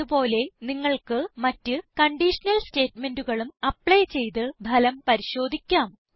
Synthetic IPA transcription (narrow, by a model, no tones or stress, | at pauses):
upo̞ːle̞niŋːɐɭkɨmɐtːɨkɐɳɖiʂɐnɐlste̞ːtme̞nduɣɐɭumɐpɭɐjt͡ɕe̞jt̪ɨbʱɐlɐmpɐɾiɕo̞ːd̪ʱikʲːaːm